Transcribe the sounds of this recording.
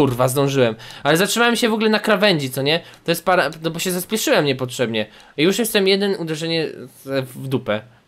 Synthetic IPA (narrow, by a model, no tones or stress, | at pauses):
urvazd̪ɔ̃w̃ʐɘwɛmalɛzatʂɨmawɛmɕɛvɔɡulɛnakɾavɛɲd͡ʑit̪sɔɲɛt̪ɔjɛst̪̚paɾanɔbɔɕɛzaspʲjɛʂɘwɛmɲɛpɔtʂɛbɲɛ | juʂjɛst̪ɛmjɛd̪ɛnud̪ɛʐɛɲɛvd̪upɛ